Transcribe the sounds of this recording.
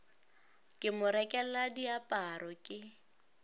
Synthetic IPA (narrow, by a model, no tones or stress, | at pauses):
kʼɪmʊɾɛkʼɛl̩ladiapʼaɾɔkʼɪ